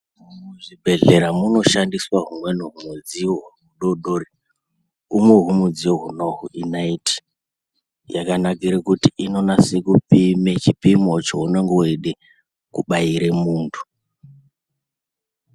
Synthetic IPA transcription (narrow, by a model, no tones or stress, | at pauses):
mumuʐibʱe̞ɮeɾamuno̞ʃandiswaɦumwe̞nuɦumud͡ziwoɦumuɗoɗori | umweɦumud͡zioɦunoɦuʔinaiti̥ | jakanakiɾekutiʔino̞nasekupimet͡ʃipimo̞t͡ʃoune̞ŋɡeeɗe | kuɓaiɾemuːntʰu̥